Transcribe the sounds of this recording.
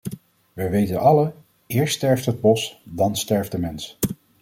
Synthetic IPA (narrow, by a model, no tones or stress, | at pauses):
ʋəʋejtənʔɑlə | ɪːɹstɛɹftɦəd̚bɔsdɑnstɛɹvdəmɛns